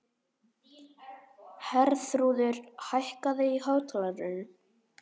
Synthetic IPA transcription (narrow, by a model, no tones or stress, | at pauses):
hɛɾθɾuːðʏɾ̥hajhkaðɪihaːwt̪laðɾʏn